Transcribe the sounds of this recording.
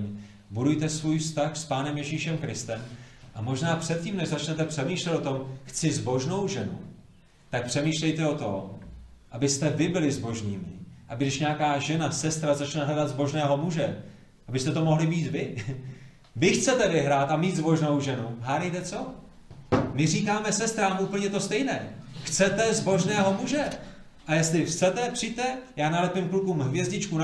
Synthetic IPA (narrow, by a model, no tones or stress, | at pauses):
ɲ | budujt̪ɛsvuːjfst̪axspaːnɛmjɛʒiːʃɛmkɾɪst̪ɛmʔamo̞ʒnaːpr̥ɛt̪̚ciːmnɛʒzat͡ʃnɛt̪ɛpr̥ɛmiːʃlɛt̪o̞t̪o̞mxt͡sɪzbo̞ʒno̞wʒɛnṵ | t̪ak̚pr̥ɛmiːʃlɛjt̪ɛo̞t̪om | ʔabɪst̪ɛvɪbɪlɪzbo̞ʒniːmɪʔabɪɡnɛʃɲɛakaːʒɛnasɛst̪ɾazat͡ʃnɛɦlɛdad̪zbo̞ʒnɛːɦo̞muʒɛ | ʔabɪst̪ɛt̪o̞mo̞ɦlɪviːt̪vɪ | vɪxt͡sɛt̪ɛvɪɦɾaːt̪ʔamiːt̪zbo̞ʒnowʒɛnuɦaːɾɛjt̪ɛt͡so̞ | mɪriːkaːmɛsɛst̪ɾaːmʔuːpl̩ɲɛt̪o̞st̪ɛjnɛːxt͡sɛt̪ɛzbo̞ʒnɛːɦo̞muʒɛ | ʔajɛst̪lɪxt͡sɛt̪ɛpr̥ijt̪ɛjaːnalɛpɪmklukuːmɦvjɛzɟɪt͡ʃkuna